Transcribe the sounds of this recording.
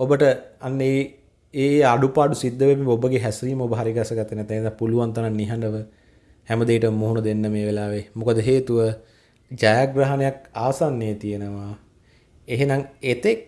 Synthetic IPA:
obəʈəanːe | eːaɖupaːɖusid̪ːəʋɛpiobəɡeɦæsɾiːməobəɦaɾiɡasəɡat̪ːənɛt̪ːasapuluʋant̪ananːiɦaɳɖəʋə | hɛməd̪eiʈəmuɦunəd̪enːəmeːʋelaːʋemukəd̪əɦeːt̪uʋə | d͡ʒajaɡraɦanejakaːsanːejət̪ijenəʋa | eɦenaŋet̪ek̚

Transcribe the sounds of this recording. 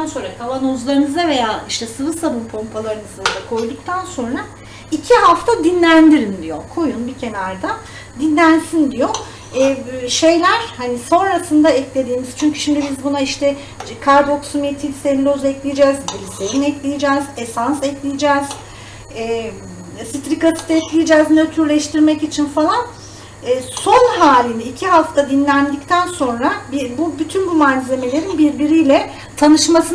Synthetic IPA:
anso̞nɾakʰalˠanozlˠaɾɯnɯzave̞jaːʔiʃt̪ʰɛsɯvɯsabɯmpʰompʰalˠaɾɯnɯzad̪akʰo̞jd̪uk̚t̪ʰanso̞nɾa | icʰiɦaft̪ʰad̪inlʲænd̪ʲiɾind̪ijokʰo̞junbicʰe̞naɾd̪a | d̪inlʲænsind̪ijo | ɛːʃe̞jlʲæɾ̥haniso̞nɾasɯnd̪aɛclʲe̞d̪iːmiz̥t͡ʃʰyɲcʰy̥ʃimd̪ibizbunaiʃt̪ʰɛ | kʰaɾd̪o̞ksumit̪ʰilʲsenlʲozɛclʲijd͡ʒɛzb̪ilʲisejinɛclʲijid͡ʒɛːz̥esansɛclʲijid͡ʒɛːz̥ | ɛ | sit̪ɾikasi̥t̪ɛclʲijid͡ʒɛːznøt̪ʰyɾlʲɛʃt̪ʰiɾmɛcit͡ʃʰinfalˠan | ɛːso̞nɦaːlʲiniːcʰiɦaft̪ʰad̪inlʲænd̪ict̪ʰænso̞nɾabibubyt̪ʰynbumaːnʲize̞me̞lʲe̞ɾinbiɾbiɾijlʲɛ | t̪ʰanɯʃmasɯ

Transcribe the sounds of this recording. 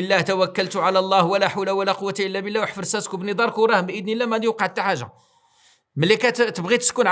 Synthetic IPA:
əlːæht̪æwækːəlt̪ʊʕalælˤːɑhwəlæħawlæwəlæqʊwːat̪aʔəlːæbəlːæwəħfəɾsæskubnəd̪ˤɑɾˤkuwɾˤɑhəmbʔəd̪nilːæmææd̪ijwqɑʕt̪ːaħaʒːa̰ | məlːikæt̪əbɣit̪ə̥skunʕ

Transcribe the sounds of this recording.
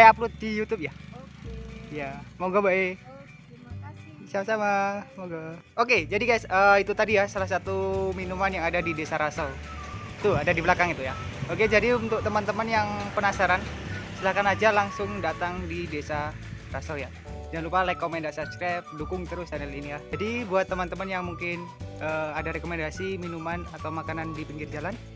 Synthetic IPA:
ajaplʊt̪̚dijut̪ʊp̚ja | jamoɡabae | samasamamoɡa | oked͡ʒadikajasəːit̪ut̪adijasalahsat̪uminumanjaŋadadidesaɾasau | t̪uadadibəlakaŋit̪ujaoked͡ʒadiunt̪ʊk̚t̪əmənt̪əmənjaŋpənasaɾansəlakanad͡ʒalaŋsʊŋdat̪aŋdidesa | rasawja | d͡ʒanlupalekomɛndasaskɾɛp̚dukʊŋt̪əɾʊsanɛlinijad͡ʒadibuat̪ːəmant̪əmənjaŋmuŋkɪnəːadaɾekomɛndasiminumanat̪awmakanandipəŋɡɪrd͡ʒalan

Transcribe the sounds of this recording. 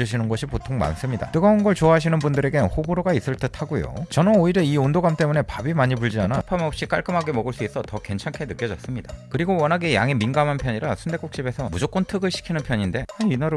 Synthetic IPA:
d͡ʑuɕʰinɯnɡʌɕʰipotʰoŋma̰ns͈ɯmɲida̰t͈ɯɡʌunɡʌɭt͡ɕoaɦaɕ̬ʰinɯnbundɯɾe̞ɡe̞hoboɾoɡais͈ɯɭt͈ɯtʰaɡojo̰t͡ɕʌnɯnoiɾjʌiondoɡamt͈e̞mune̞pabimaɲipuɭd͡ʑianapʰamʌp̚ɕ͈ik͈aɭk͈ɯmɦaɡe̞mʌɡɯɭs͈uis͈ʌtʌke̞nt͡ɕʰaŋkʰenɯk͈jʌd͡ʑʌs͈ɯmɲidakɯɾiɡowʌnɦaɡe̞jaŋeminɡamɦanpʰjʌɲiɾasʰunde̞k͈ok̚ɕ͈ibe̞sʰʌmud͡ʑok͈ontʰɯɡɯɭɕʰi̥kʰinɯnpʰjʌɲinde̞aɲinaɾ

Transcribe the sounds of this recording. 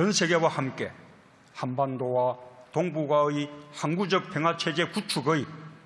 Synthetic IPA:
ʌnsʰe̞ɡe̞wahamk͈e̞̰ | hanbandowat̪oŋbuɡaihanɡud͡ʑʌk̚pʰe̞ŋɦat͡ɕʰe̞d͡ʑe̞kut͡ɕʰuɡɯi

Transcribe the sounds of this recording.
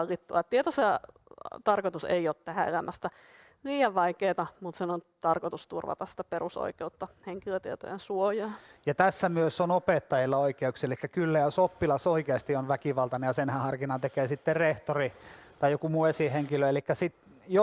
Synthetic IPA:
lːit̪ːuɑt̪t̪iet̪ose | t̪ɑrkot̪usḛioːt̪t̪æhæḛlæmʔæst̪æ | liːɑʋʋɑikeːt̪ɑmut̪senont̪ɑrkot̪ust̪ṵrʋɑ̰t̪ɑsi̥t̪æ̥peruso̰ikeut̪ːɑheŋkiløt̪iet̪o̰jḛnsuojɑːjɑt̪æsːæmyøsonopet̪ːɑjilːɑoikeuksielikːækylːæjɑsopːilɑsoikeɑst̪ionʋækiʋɑlt̪ɑnejɑsenhæhɑrkinɑnt̪ekeːsit̪ːereht̪orit̪ɑjjokumuesiheŋkiløelikːæsit̪ | jo

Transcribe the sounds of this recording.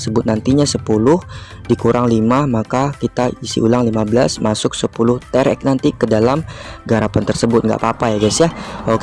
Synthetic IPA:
səbʊt̪̚nant̪iɲasəpulʊh | dikuɾʔaŋlimamakakit̪aisḭʔulaŋlimabəlasmasʊk̚səpulʊht̪ɛɾɛ̰k̚nant̪ikədalamɡaɾapant̪ərsəbʊt̪̚ŋɡa̰ʔpapajaɡasjahok

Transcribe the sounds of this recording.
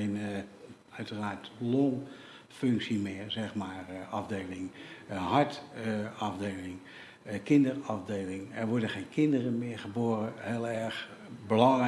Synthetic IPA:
en | œɥtəraːɹtloŋ | føŋksimɪərzɛxmaːrɑfdeːlɪŋhɑɹtɑfdeːlɪŋ | kɪndərɑfdeːlɪŋɛrʋɔɹdəχeːnkʰɪndərəmɪɹχəboːrəhɪəlˠɛɹχ | bəlɑŋ

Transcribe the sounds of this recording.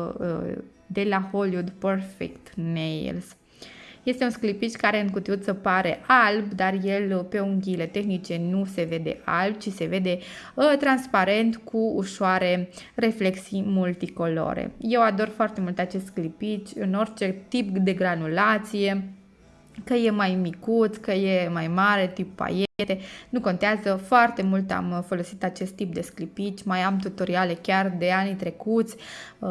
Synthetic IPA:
d̪e̞laho̞liud̪pərfḛkt̪nej̰ls | je̞st̪e̞unsklipit͡ʃkaɾe̞ɨŋkut̪iut̪səpaɾe̞ʔalbd̪arje̞lpe̞uŋɡʲile̞t̪e̞xnit͡ʃe̞nuse̞ve̞d̪e̞̰ʔa̰lb̚t͡ʃise̞ve̞d̪e̞t̪ɾanspaɾe̞nt̪kʰuuʃoaɾe̞re̞fle̞ksijmult̪iko̞lo̞̰ɾḛje̞wad̪o̞rfoart̪e̞mult̪at͡ʃe̞st̪sklipit͡ʃʲɨno̞rt͡ʃe̞t̪ipd̪e̞ɡɾanulat̪sije̞ | kəje̞majmikut̪sʲkəje̞majmaɾe̞t̪ipːa̰jet̪e̞nuko̞nt̪eazəfoart̪e̞mult̪a̰mfo̞lo̞sit̪at͡ʃe̞st̪ːip̚d̪e̞sklipit͡ʃʲmajamt̪ut̪o̞ɾiale̞kʲard̪e̞anit̪ɾe̞kut̪sʲ

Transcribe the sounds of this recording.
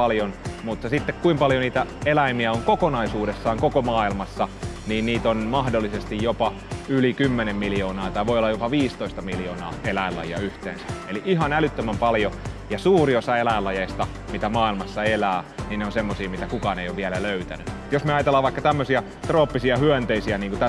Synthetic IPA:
ɑljonmut̪ːɑsit̪ːekkuimpɑljoniːt̪æelæimiæoŋkokonɑisuːdesːɑːŋkokomɑːilmɑsːɑniːnniːt̪onmɑhdolːisest̪ijjopɑ | ylikymːenemmiljoːnɑːt̪ɑiʋoijolːɑjopɑʋiːst̪oist̪ɑmiljoːnɑ̰ːelæilɑ̰jiɑ̰yht̪ḛːnsæ̥eliʔihɑnælyt̪ːømæmpɑljo | jɑsuːriosɑelæilːɑjeist̪ɑ | mit̪æmɑːilmɑsːɑelæːniːnneonsemːosiːmit̪ækukɑːneijoʋʋiælæløyt̪æ̰nyut̪josmeɑjɑt̪elːˑɑːʋɑikːɑt̪æmːøsiæ | t̪roːpːisiɑhyænt̪eisiæniːŋkut̪æ

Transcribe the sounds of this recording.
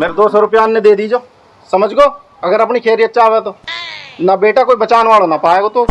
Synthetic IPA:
meːɾed̪oːsɔːɾʊpjaːnːẽd̪eːd̪iːd͡ʒoː | səməd͡ʒɡoː | əɡəɾəpnikʰeːɾɪjət̪̚t͡ʃaːʋet̪oːnabeːʈaːkoːibət͡ʃaːnʋaːloːnapaːeːɡot̪oː

